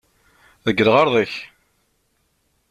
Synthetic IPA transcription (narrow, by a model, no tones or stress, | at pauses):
ðəɡːɾəʁɑɾˤðˤəç